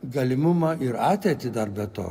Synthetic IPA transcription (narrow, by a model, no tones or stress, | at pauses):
ɡɐlʲɪmʊmɐːɪɾɑːt̪ʲɛːt̪ʲɪd̪ɐrbʲɛt̪o̰ː